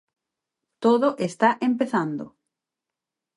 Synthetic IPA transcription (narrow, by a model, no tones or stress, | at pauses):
t̪oðoʔest̪aʔempeθand̪ʊ